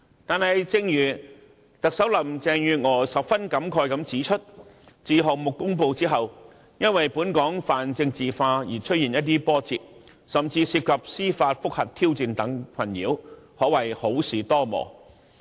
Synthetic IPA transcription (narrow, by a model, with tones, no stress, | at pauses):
t̪aː˨nhɐ˨jt͡sɪ˧ŋjyː˨˩ | t̪ɐ˨k̚sɐ˨˥wlɐ˨˩mt͡sɛː˧ŋjyː˨ŋɔː˨˩sɐ˨p̚fɐ˥nkɐ˨˥mkʰɔː˧jkɐ˨˥mt͡siː˨˥t͡ʃʰɵ˥t̚ | t͡siː˨˧ɦɔː˨k̚mʊ˨kːʊ˥ŋpo˧wt͡siː˥ɦɐ˨w | jɐ˥nwɐ˨jpuː˨˥nkɔː˨˥ŋfaː˨nt͡sɪ˧ŋt͡siː˨faː˧jiː˨˩t͡ʃʰɵ˥t̚jiː˨njɐ˥t̪̬̚iː˥pɔː˥t͡siː˨p̚ | sɐ˨mt͡siː˧siː˧p̚kʰɐ˨p̚siː˥faː˧t̚fʊ˥k̚hɐ˨t̚t̪ʰiː˥wt͡siː˧nt̪ɐ˨˥ŋkʰɐ˨˩njiː˨˥whɔː˨˥wɐ˨˩jho˨˥wsiː˨˩t̪ɔː˥mɔ̰ː˨˩